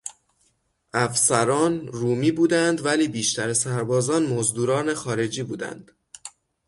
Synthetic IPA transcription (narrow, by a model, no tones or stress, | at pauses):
ʔæfsæɾɒːnɾuːmiːbuːd̪ænd̪væliːbiːʃt̪ʰæɾesæɾbɒːzɒːnmozd̪uːɾɒːne̞xɒːɾe̞d͡ʒiːbuːd̪æ̰nd̪̥